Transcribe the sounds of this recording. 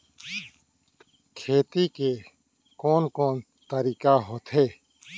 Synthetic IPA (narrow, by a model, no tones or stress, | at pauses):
kʰeːt̪ike | koːnkoːn | t̪əɾiːkaːɦoːt̪ʰɦeː